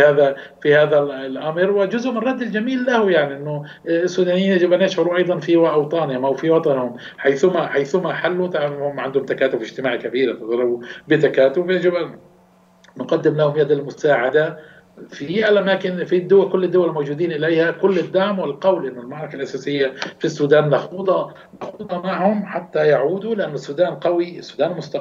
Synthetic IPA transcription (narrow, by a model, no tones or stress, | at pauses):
haːða | fihaːðalʔamɾwɪd͡ʒʊzʊʔmɪnrˤɑd̪ːɪld͡ʒamiːlːahjaʕniʔɪnːʊ | sːuːd̪aːnijːnjɪʕd͡ʒɪbʔanjɪʃʕʊɾuʔɑjd̪ˤɑnfiwaʔɑwt̪ˤɑːnɪhʊmʔawfiwɑt̪ˤɑnhʊm | ħajθʊmaħajθʊmaħalːut̪aʕahʊmʕand̪hʊmt̪akaːt̪ʊbɪʒt̪ɪmaːʕkabiːɾat̪ɨzˤɑɾˤɑbubɪt̪akaːt̪ʊbjad͡ʒɪbʔanː | qɑd̪ːɪmlahʊmjad̪ɪlmʊsaːʕad̪a | fialʔamaːkɪnfid̪ːʊwakʊlːɪd̪ːʊwalmowd͡ʒuːd̪iːnʔɪlejhakʊlːɪd̪ːaʕmwɪlqɑwlʔɪnːʊlmaʕɾˤɑkalʔasaːsɪjːafisːuːd̪aːnːɑxuːd̪ˤɑ | naxuːd̪ˤɑmaʕhʊmħat̪ːajaʕuːd̪ulɪʔanːʊsːuːd̪aːnqɑwiɪsːuːd̪aːnmʊst̪ɑ